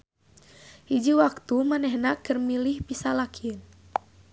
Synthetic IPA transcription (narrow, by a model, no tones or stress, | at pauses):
hid͡ʒiwak̚t̪umanɛhnakərmilihpisalakʰin